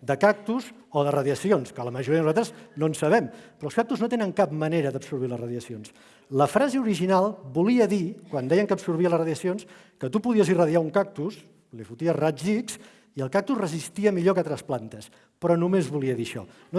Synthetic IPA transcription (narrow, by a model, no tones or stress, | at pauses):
d̪əkak̚t̪uz | oðərəðjəsionskələməʒuɾiəðənuzalt̪ɾəznonsəβ̞ɛmpɾɔlskak̚t̪uznot̪enəŋkap̚məneɾəðəpsuɾβ̞iləzrəðiəsions | ləfɾazeuɾiʒinalˠbuliəðikwand̪ɛjəŋkəpsuɾβiələsrəðjəsions | kət̪upuðiəzirəðiauŋkak̚t̪us | lefut̪iərad͡ʒiks | iəlˠkak̚t̪usrəzist̪iəmiʎokət̪ɾəsplant̪əs | pɾɔnumezβuliəðiʃɔ̰no